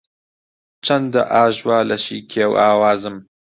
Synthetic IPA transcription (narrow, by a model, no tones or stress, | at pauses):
t͡ʃʰɐnd̪aʔaːʒwaːlɐʃḭːkʰeːwaːwaːzɨm